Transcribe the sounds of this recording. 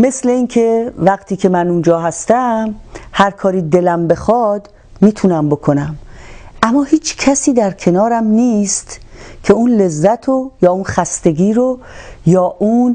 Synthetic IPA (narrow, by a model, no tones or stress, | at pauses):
me̞sle̞iːnkʰe̞væɡt̪ʰiːkʰe̞mænund͡ʒɒːɦæst̪æmhæɾkʰɒːɾiːd̪elæmbe̞xɒd̪ | miːt̪ʰunæmbo̞kʰonæmʔæmːɒːhiːt͡ʃʰkʰæsiːd̪æɾkʰe̞nɒːɾæmniːst̪kʰe̞unle̞zːæt̪ʰojɒːunxæst̪e̞ɡiːɾo | jɒːʔun